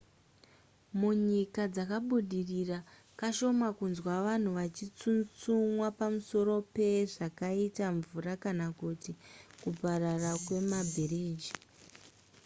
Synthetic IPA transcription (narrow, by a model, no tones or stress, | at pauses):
muɲikad͡zakaɓuɗirira | kaʃo̞makunzwaʋan̤uʋat͡ʃit͡sunt͡sumwapamuso̞ɾo̞pe̞ʐakaitaɱvurakanakutikupararakwe̞mabʱiriːd͡ʒi